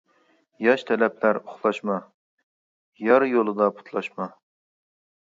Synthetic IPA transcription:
jɑʃt̪ʰɛlɛplæɾoχlˠɑʃmɑ | jɑɾjolˠɨd̪ɑpʰu̥t̪ʰlˠɑʃmɑ

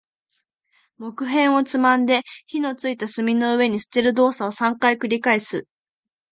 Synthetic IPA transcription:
mo̞kɯ̟ɦẽ̞ɰ̃o̞t͡sɨmãnd̪e̞çino̞t͡sɨit̪asɨmʲino̞ɯ̟βe̞ɲ̟isɨ̥t̪e̞ɾɯ̟d̪o̞ːsaosãŋkaikɯ̟ɾʲikaisɨ

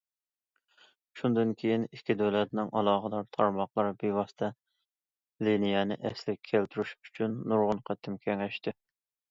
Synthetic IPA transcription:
ʃund̪ɨnkʲʰejinikʲʰːid̪ølɛt̪nɪŋʔɑlˠɑːχəd̪ɑɾt̪ʰɑɾmɑχlˠɑɾbiwɑst̪ʰɛ | linijɛnɪ̰ʔɛslɪkʲʰælt̪ʰyɾyʃy̥t͡ʃʰynːuɾʁʊnqʰæt̪ʰːɪmkʲʰɛŋɛʃt̪ɪ

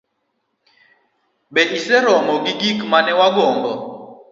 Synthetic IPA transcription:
ɓɛʔisɛɾɔŋɔɡiɡikmanɛwaɡɔːŋbɔ

